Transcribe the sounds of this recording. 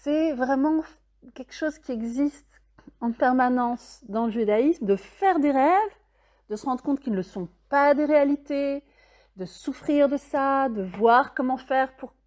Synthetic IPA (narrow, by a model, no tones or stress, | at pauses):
sɛvʁɛmɑ̃ | kʲɛlkʃozkʲiɛɡzist̪ | ɑ̃pɛʁmanɑ̃sd̪ɑ̃ləʒyd̪aismd̪əfɛʁd̪eʁɛv | d̪̥əsəʁɑ̃d̪ʁəkɔ̃t̪kilnːəsɔ̃pad̪eʁealit̪e | d̪əsufχiʁd̪əsad̪əvwaʁkɔmɑ̃fɛʁpuʁ